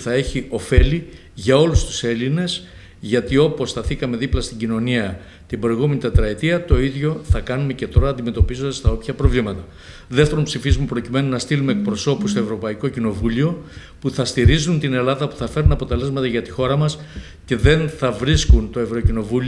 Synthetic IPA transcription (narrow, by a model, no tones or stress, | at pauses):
θɐe̞çio̞fe̞li | ʝɐo̞lust̪u̥se̞line̞s | ʝɐt̪io̞po̞sθɐθikɐme̞ðiplɐst̪iɟino̞niɐ | t̪ibɾo̞jɣume̞nit̪et̪ɾɐet̪iɐt̪o̞iðʝo̞θɐkɐnume̞ce̞t̪o̞ɾɐːnd̪ime̞t̪o̞pizond̪ɐst̪ɐo̞pçɐpɾo̞vlimɐt̪ɐ | ðeft̪eɾumpsifizmupɾo̞cime̞nunɐst̪ilume̞ek̚pɾo̞so̞pust̪o̞e̞vɾo̞pɐiko̞cino̞vulio̞ | puθɐst̪iɾizunt̪ine̞lɐðɐpu̥θɐfe̞ɾunɐpo̞t̪e̞le̞zmɐt̪ɐʝɐt̪ixo̞ɾɐmɐs | ce̞ðe̞nθɐvɾiskunt̪o̞e̞vɾo̞cino̞vul